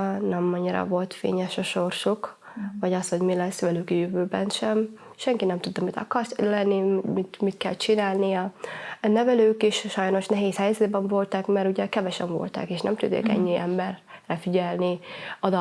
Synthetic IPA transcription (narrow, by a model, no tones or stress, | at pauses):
nɛmɒɲːiɾɒ̰vo̞lt̪fḛːɲɛʃɒʃo̞rʃok | vɒɟɒst̪ho̞ɟmilɛsːʋɛlykɒjøvøːbɛnʃɛm | ʃɛŋkinɛmt̪ud̪ːɒmit̪ɒ̰kɒrslɛnːimit̪mit̪kɛlt͡ʃinaːlnijɒnɛvɛløːkiʃʃɒjno̞ʃnɛɦeːshɛjzɛd̪bɛɱvo̞lt̪ɒkmɛɾuɟɛkɛvɛʃɛɱvo̞̰lt̪ɒ̰keːʃnɛmt̪ud̪ḛːkɛ̰ɲːiʔɛmbɛrːɛfiɟɛlniɒd̪ɒ